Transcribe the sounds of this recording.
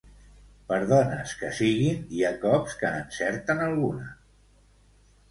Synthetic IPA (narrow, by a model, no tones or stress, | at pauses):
pəɾðɔnəskəsiɣiniakɔpskəːnsɛɾt̪ənəlˠɣunə